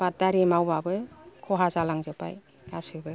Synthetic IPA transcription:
b̥at̚daɾimawbabɯkʰɔɦazalaŋzɯpa̰j | ɡ̥asɯbɯ

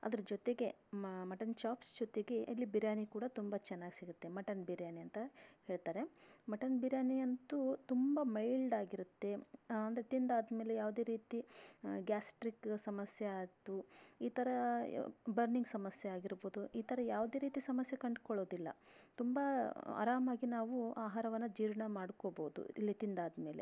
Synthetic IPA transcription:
ɐ̰d̪ɐɾɐd͡ʒɔt̪e̞ɡe̞mɐʈɐnt͡ʃaːpsd͡ʒɔt̪e̞ɡe̞ʔɐlːibiɾjaːnikuːɽɐt̪umbɐt͡ʃɛnːaːɡisiɡut̪ːe̞mɐʈɐnbiɾjaːniɐnt̪ɐhe̞ːɭt̪aːɾe̞mɐʈɐnbiɾjaːniɐnt̪ut̪umbɐmɐjɭɖaːɡiɾut̪ːe̞ɐnd̪ɐɾet̪ind̪aːd̪me̞ːlejaːʋd̪eːɾiːt̪iɡaːsʈɾiksɐmɐsjeaːt̪uiːt̪ʰɐɾɐ | bɐɾniŋɡsɐmɐsjeaːɡiɾboːd̪uʔiːt̪ʰɐɾɐjaːʋd̪e̞ːɾiːt̪isɐmɐsjɐkɐɳɖkɔɭo̞ːd̪ilːɐ̰ | t̪umbɐa̰ːɾaːmaːɡinaːʋuaːɦaːɾɐʋɐnːɐd͡ʒiːɾɳɐmaːɽkoboːud̪ṵḭlːit̪ind̪aːd̪me̞ːle̞̰

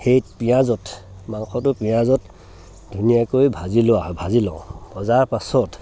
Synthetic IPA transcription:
hejpijazɔtmaŋxʰɔtʊpijazɔt | dʱunijakojbʱazilʊaɔbʱazilɔ̰̃ʊ̃b̥ɔzaɹpasɔt

